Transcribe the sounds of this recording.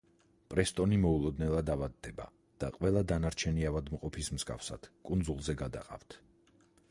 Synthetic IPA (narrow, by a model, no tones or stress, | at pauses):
pʼɾɛst̪ʼɔnimɔulˠɔd̪nɛlˠad̪avad̪ːɛba̰ | d̪̥aqʼwɛlˠad̪anaɾt͡ʃʰɛniavad̪mqʼɔpʰismskʼa̰fsa̰d̪̥kʼund̪zulˠzɛɡad̪a̰qʼa̰vt̪ʰ